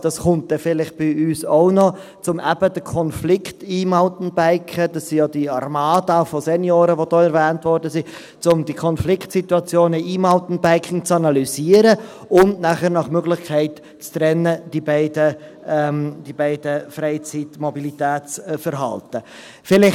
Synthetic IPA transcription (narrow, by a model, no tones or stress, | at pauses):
d̥ɑsχʊnt̚d̥ɛfɪlɪχt̚b̥ɪyːsoʊnɔ | t͡sʊmʔæb̥əd̥əkʰɔnflɪktiːmaʊtn̩bæɪkʰəd̥ɑsːijodiɑɾmaːdafɔsɛnjoːɾəʋodɔːɛɾvɛːntvɔɾdəsi | t͡sʊmdikʰɔnflɪktsituɑt͡sjoːnəiːmɑltn̩bæɪkʰɪŋt͡sɑnɑlyziːəɾə | ʊndnæχəɾnɑχmøɡlɪχkʰɛɪt | t͡stɾɛnːəd̥ibæɪdə | ɛmd̥ibɛɪd̥əfɾeɪt͡sitmɔbilitɛːt͡sfəɾɦɑ̰ltə | fɪlɪ